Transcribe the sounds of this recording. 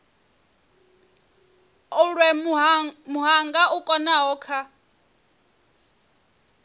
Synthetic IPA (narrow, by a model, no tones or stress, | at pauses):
ɔɺwɛ | muɦaŋɡaʔukʼɔnaɦɔːkʰa